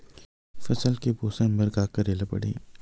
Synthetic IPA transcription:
fɐsəlkeboːsẽmbɐɾɡaːkɐɾeːlapɐ̰ɽḛː

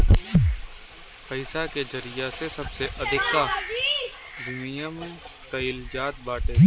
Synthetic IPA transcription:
pɐɪsaked͡ʒɐɾɪjasesɐbseʔɐd̪ʱɪkːa | d̪ʊmijãmẽ | k̪ɐɪld͡ʒaːt̪̚baːʈeː

